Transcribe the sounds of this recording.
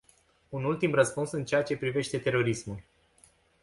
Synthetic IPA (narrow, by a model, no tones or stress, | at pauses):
unult̪imrəspunsɨnt͡ʃe̞at͡ʃe̞pɾive̞ʃt̪e̞t̪e̞ɾo̞ɾismulʲ